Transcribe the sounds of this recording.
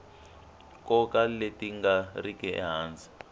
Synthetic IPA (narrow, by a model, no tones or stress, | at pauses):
kʼɔkʼaletʼiŋɡarikʼɛɛ̰ɦaːnd͡zʱi